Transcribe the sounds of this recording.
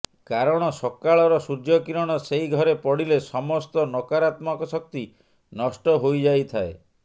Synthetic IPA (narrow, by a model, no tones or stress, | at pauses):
kaɾɔɽ̃ɔsɔkaɭɔɾɔsud͡ʒjɔkiɾɔɽ̃ɔseiɡʱɔɾepɔɽilesɔmɔst̪ɔnɔkaɾat̪mɔkɔsɔk̚t̪i | nɔsʈɔɦojd͡ʒajt̪ʰae